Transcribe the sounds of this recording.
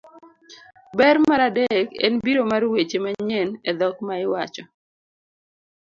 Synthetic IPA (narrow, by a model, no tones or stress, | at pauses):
bɛrmaɾadekɛ̰nbiɾomarwet͡ʃemaɲened̪ɔkmaɪwat͡ʃɔ